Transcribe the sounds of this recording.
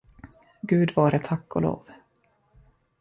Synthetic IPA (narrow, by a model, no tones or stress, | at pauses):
ɡʉ̟ːd̪vɑːɾət̪ʰakːɔ̰lo̰ːv̥